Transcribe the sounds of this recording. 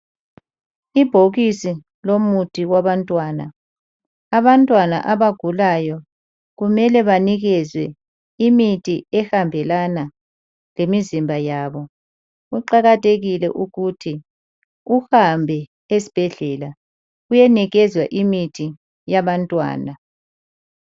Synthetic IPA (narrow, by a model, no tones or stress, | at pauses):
ib̥ʱoɣisi | lomutʰʼiɣwaβantʼwaːna̰ | aβantʼwana̰ʔaβaɡ̥ʱulajɔ | ɣumɛlɛβaniɣɛzwɛ̰ | imitʰʼiɛhambʱɛlana | lemizimbʱajaːβɔ | ɣuǃaɣatʰʼeɣilɛ̰ʔuɣutʰi | uhambʱɛ | esi̥b̥ʱɛɮɛla | ɣujɛniɣɛzwaʔimitʰi | jaβantʼwa̰ːna